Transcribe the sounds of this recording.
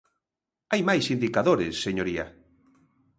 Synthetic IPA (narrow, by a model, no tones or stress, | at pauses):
ajmajsind̪ikaðoɾesːeɲoɾia̰